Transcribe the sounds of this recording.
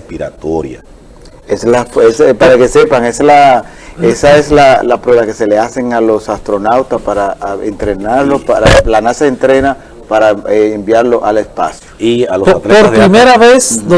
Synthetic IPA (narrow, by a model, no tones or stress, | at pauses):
espiɾa̰t̪oɾja̰ | eslafespaɾakese̞paŋesla | esae̞slalapɾwe̞βake̞se̞le̞ase̞ŋalo̞sast̪ɾo̞nawt̪aspaɾaḛnt̪ɾe̞naɾlopaɾalanasaent̪ɾe̞na | paɾaeembjaɾlo̞ʔale̞spa̰sjoialoat̪leoɾɾimeɾaβes